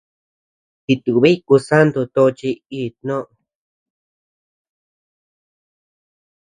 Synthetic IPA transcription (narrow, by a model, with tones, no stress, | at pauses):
t̪i˧t̪u˨βe˦i˦ku˧sa˦nd̪u˧t̪o˧t͡ʃi˧i˧˨t̪nõ˦ʔ